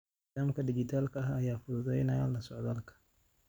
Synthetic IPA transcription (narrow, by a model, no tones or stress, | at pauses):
aːmkʰɐɖɪd͡ʒɪt̪ʰaːlkʰɐaɦɐjaːfʊðʊðɛjnɐalːɐsɔʕðaːlkʰɐ̥